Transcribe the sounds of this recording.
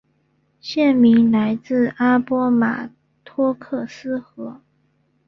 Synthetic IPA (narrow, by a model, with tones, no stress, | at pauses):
ɕjɛ˥˩nmi˧˥ŋla˧˥ɪt͡sɹ̩˥˩a˥pwɔ˥ma̰˨˩ | t̪ʰwɔ˥kʰɤ˥˩sɹ̩˥xɤ˧˥